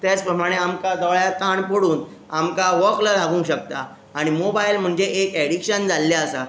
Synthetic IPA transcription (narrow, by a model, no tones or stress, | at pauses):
t̪jat͡spɾəmaɽ̃eamkad̪ɔɭjat̪aɳpəɽuːn | amkaʋəkləlaɡʱũŋkɕək̚t̪aː | ɽ̃imobailm̤əɳd͡zeʔekeɽikɕənd͡zalːaəsa